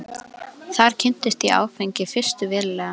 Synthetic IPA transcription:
θaɾ̥cʰɪn̥t̪ɪst̪iʔa̰ːwfejɲcɪfɪr̥st̪ʏvɪːɾlɛːɣa

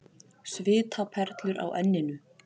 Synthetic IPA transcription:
svɪːt̪ʰapʰɛɾ̥t̪lʏɾʔa̰wʔɛnːɪnʏ

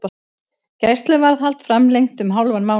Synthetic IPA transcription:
cajst̪lɪvaɾðhalt̪fɾamlejŋt̪ʏmɦawlvanmaːw

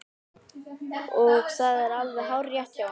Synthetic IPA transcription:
ɔɣθaðɛɾalvɛɦawɾrjaht̪ja

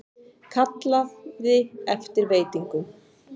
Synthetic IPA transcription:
kʰat̪laððɪɛft̪ɪɾveːjt̪iŋkʏm

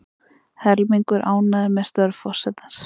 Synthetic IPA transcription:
hɛɾlmiŋkʏɾʔaːwnaðɪɾmɛðst̪œɾfɔr̥sɛt̪ḁns

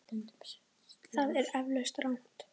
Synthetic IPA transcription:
θaðɛɾɛvlœɥst̪rawn̥t̪

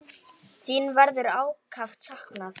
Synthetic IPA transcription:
θiːnvaɾðʏɾaːwkʰaft̪sahknaθ

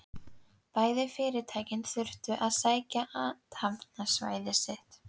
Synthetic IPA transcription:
paːjðɪfɪːɾɪt̪ʰaːjcɪnθʏr̥ht̪ʏʔaðsaːjcaʔaːt̪havnasva̰ːjðɪsɪht̪

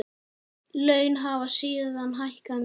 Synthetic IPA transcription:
lœːɥnɦavasiːðɪðanːɦajhkan

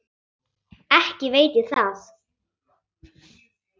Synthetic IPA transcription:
ɛhcɪveːjt̪ɪθaθ

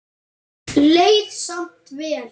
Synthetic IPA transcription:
lejðsam̥t̪vɛːl

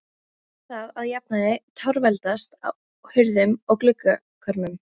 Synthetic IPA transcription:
θaðaðjap̚naðɪt̪ʰawɾvɛlt̪ast̪a̰ | hʏɾðʏmɔklʏka | kʰœɾmʏm

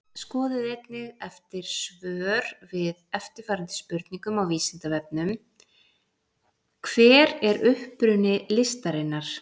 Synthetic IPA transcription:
skɔːðɪðejt̪nɪɣɛft̪ɪɾ̥svœːɾ̥vɪðɛft̪ɪɾ̥faːɾant̪ɪ̥spʏɾt̪niŋkʏmawviːsɪnt̪avɛp̚nʏm | kʰv̥ɛːɾɛɾʏhpɾʏnɪlɪst̪aɾɪnːaɾ̥

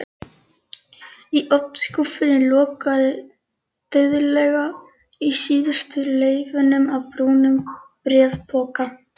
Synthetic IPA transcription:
iʔɔpnskɔfɪɾɪlɔːkaðɪ | t̪œðʏlɛɣa | isiːðʏst̪ʏleːjvʏnʏmawpɾuːnʏmkpɾjɛːvpʰɔːka

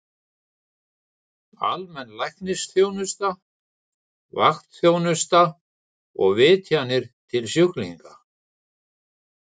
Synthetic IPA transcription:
a̰lmɛnːlajknɪsθjoːwnʏst̪a | va̰xt̪θjoːwnʏst̪a | ɔɣvɪːt̪ʰjanɪɾ̥t̪ʰɪlsjʏklḭŋka

